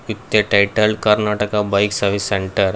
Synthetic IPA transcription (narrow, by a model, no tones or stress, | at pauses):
it̪ːeʈajʈəlɖkɐɾnaʈəkabajksəɾʋiseɳʈəɾ